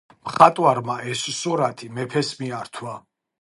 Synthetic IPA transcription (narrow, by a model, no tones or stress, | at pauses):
mχat̪ʼwaɾmaɛssuɾat̪ʰimɛpʰɛsmiaɾt̪ʰwa